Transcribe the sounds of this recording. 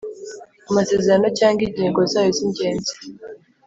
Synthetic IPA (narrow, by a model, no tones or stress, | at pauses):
amase̞ːzeɾanocaːŋɡiɲiːŋɡo̞zaːjoziɲɟe̞ːnzi̥